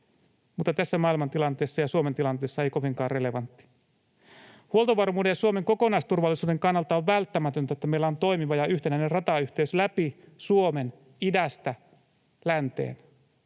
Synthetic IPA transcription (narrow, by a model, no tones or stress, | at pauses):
mut̪ːɑt̪æsːæmɑːilmɑnt̪ilɑnt̪e̞ːsːɑjɑsuoment̪ilɑnt̪e̞ːsːɑe̞jko̞ʋiŋkɑːrre̞le̞ʋɑnt̪ːi̥ | huo̞lt̪oʋɑrmuːde̞jɑsuome̞ŋko̞konɑist̪urʋɑlːisuːde̞ŋkɑnːɑlt̪ɑoʋʋælt̪ːæmæt̪ønt̪æet̪ːæmeilːæont̪o̞jmiʋɑjɑyht̪enæinerrɑt̪ɑyçt̪eyslæpisuome̞n | idæst̪æ | lænt̪ḛːn